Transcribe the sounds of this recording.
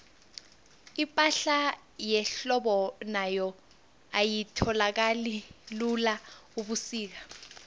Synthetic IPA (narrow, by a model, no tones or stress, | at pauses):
ipʼaɬa | jɛɬɔɓɔnajɔ | ajitʰɔlak̬alilulauɓusiːk̬a